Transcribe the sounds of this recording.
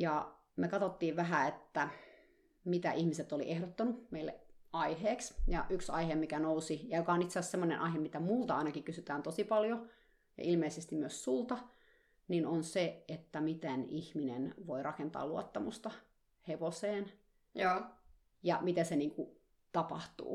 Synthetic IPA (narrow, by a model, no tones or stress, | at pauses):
jɑ | mekɑt̪ot̪ːiːʋʋæɦæet̪ːæ | mit̪æ̰ʔihmiset̪ːolḭʔehɾot̪ːɑnumeilːḛʔɑiheːksjɑ̰ʔyksɑ̰ihemikænousijɑjokɑonit̪seæssemːonḛnʔɑiɦemmit̪æmult̪ɑɑinɑkikysyt̪æːnt̪osipɑljo | jɑ̰ʔilmeisest̪imyøssult̪ɑ | ninonseet̪ːæmit̪enihminḛnʋoirɑkent̪ɑ̰ːluot̪ːɑmust̪ɑ | heʋoseːnː | jɑmit̪eseniːŋku | t̪ɑpɑ̰ht̪ṵː